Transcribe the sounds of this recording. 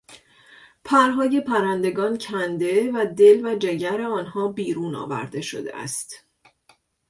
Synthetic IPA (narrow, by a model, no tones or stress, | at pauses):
pʰæɾɦɒːje̞pʰæɾænd̪e̞ɡɒːncʰænd̪e̞væd̪e̞lvæd͡ʒe̞ɟæɾe̞ɒːnhɒːbiːɾuːnɒ̰ːvæ̰ɾd̪e̞ʃo̞̰d̪ḛʔæ̰st̪